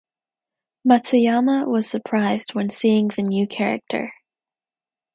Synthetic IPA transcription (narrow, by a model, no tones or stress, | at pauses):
matsiɑməwʌz̥sə˞pʰɹ̥aɪz̥d̚wɨ̃nsiɪ̃ŋðɨnjʉkʰɛɹɨ̰k̚tʰə̰˞